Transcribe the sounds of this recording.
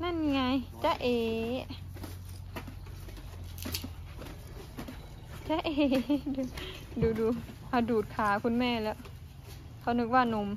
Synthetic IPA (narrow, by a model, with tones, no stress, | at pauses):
na˧˥˨n˧ŋa˧jt͡ɕa˧˦ʔeː˧˨ | t͡ɕa˧˦ʔeː˧˩duː˨˧˩ | duː˨˦duː˨˧˦ | ʔa˧˩duː˨˩t̪̚kʰaː˨˦kʰu˧˥˨nmɛː˧˥˩lɛ˧˥ʔ | kʰa˧˩nɯ˧˥k̚waː˧˥˩no˧˦m